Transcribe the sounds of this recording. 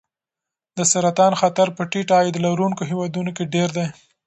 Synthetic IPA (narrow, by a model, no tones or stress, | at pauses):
d̪əsaɾat̪ɑnxat̪aɾpəʈiʈɑjed̪əlaɾuŋkoɦewɑd̪unokeɖeɾd̪ej